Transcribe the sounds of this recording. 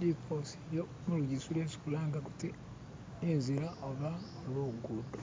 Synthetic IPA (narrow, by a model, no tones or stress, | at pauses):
likʰoseβjo | muɾuɟisulesi̥kulaːŋɡakuti | enziɾaʔoβa | oloɡuːndo